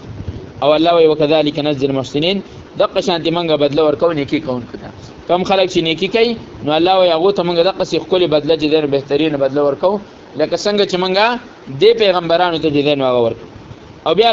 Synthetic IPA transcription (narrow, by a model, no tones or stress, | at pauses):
awalːɑːwajwakaðaːlɪkanafzɪlmʊhsɪnin | d̪aqaʃɑ̃ːnt̪emʊŋɡabad̪lawəɾkawnekikawuŋkot̪a̰ | kamxalək̚t͡ʃenekikai | noalːɑːwajɦaɣot̪aməŋɡad̪aqasexkolebad̪lat͡ʃed̪enobeht̪aɾinabad̪lawəɾkaw | ləkasəŋɡat͡ʃemʊŋɡa | d̪epeɣambaɾɑːnot̪at͡ʃed̪enoaɣawəɾkaw | awbja